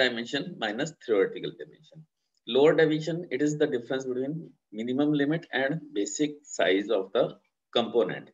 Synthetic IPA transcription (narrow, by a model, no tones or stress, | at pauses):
ɖaɪmẽnʃə̃nmaɪnəst̪ʰiɔɾɪʈɪkəlɖaɪmɛ̰̃nʃə̃n | loːəɾɖaɪʋɪ̃ʃə̃nɪʈɪzd̪əɖɪfɾə̃nsbɪʈwĩːn | mɪnimə̃mlɪmɪʈɛ̃ɳɖbeːsɪk̚sa̰ɪzɔːʋd̪ə | kə̃mpoːnḛ̃ɳʈ